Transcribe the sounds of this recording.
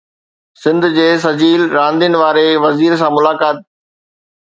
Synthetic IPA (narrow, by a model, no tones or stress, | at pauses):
sɪ̃nd̪ʱd͡ʑeːs̬ɐd͡ʑiːlɾãːnd̪jənɪ̆ʋaːɾeʋɐziːɾs̬ãmʊlaːkaːt̪̚